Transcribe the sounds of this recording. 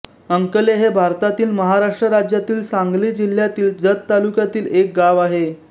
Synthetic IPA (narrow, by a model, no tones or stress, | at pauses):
əŋkəleɦebʱaɾt̪at̪iːlməɦaɾaʂʈɾəɾad͡ʑjat̪iːlsãŋɡliːd͡ʑil̤jat̪iːld͡zət̪t̪ːalukjat̪iːlek̚ɡaʋaɦe